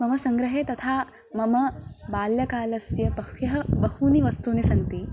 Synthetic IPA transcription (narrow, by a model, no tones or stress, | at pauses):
mɐmɐsɐŋɡɾɐɦeːt̪ɐt̪ʰaː | mɐmɐbaːljɐkaːlɐsjɐbɐjɐɦɐbɐhuːniʋɐst̪uːnisɐnt̪i